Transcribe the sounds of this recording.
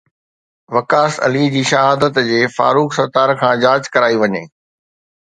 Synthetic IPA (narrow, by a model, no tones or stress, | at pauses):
ʋɐkaːsɐ̰lid͡ʑiːʃɐɦaːd̪ət̪d͡ʑeːfa̰ːɾuːksɐɾt̪aːɾkʰãːd͡ʑaːd͡ʑkɐɾaːiʋɐɲeː